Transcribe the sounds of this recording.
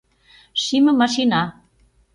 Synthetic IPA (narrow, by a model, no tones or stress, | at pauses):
ʃimə̆mɑʃinɑ